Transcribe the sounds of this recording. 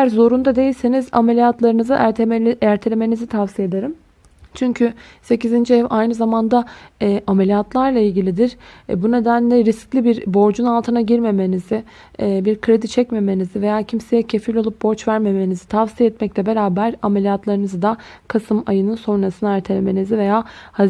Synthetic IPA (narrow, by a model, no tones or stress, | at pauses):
æɾzo̞ɾund̪ad̪e̞jilʲseniza̰melʲijat̪lˠaɾɯnɯzɯʔæɾt̪ʰelʲeme̞nizit̪ʰavsijed̪eɾɯm | t͡ʃʰyɲcʰy | se̞cizind͡ʒiɛvajnɯzamand̪aːʔamelʲijat̪lˠaɾlˠailʲɟilʲid̪iɾ̥bune̞d̪ænlʲɛɾisclʲibiɾbo̞ɾd͡ʒunalˠt̪ʰɯnaɟiɾme̞me̞nizɪː | biɾkʰɾe̞d̪it͡ʃʰɛcme̞me̞nizive̞jaːcʰimse̞jɛcʰe̞filʲolˠup̚bo̞ɾt͡ʃvæɾme̞me̞nizit̪ʰavsijɛɛt̪mɛclʲɛbe̞ɾaːbæɾamelʲijat̪lˠaɾɯnɯzɯd̪a | kʰasɯmajɯnɯnso̞nɾasɯnaæɾt̪ʰelʲeme̞nizive̞jaːha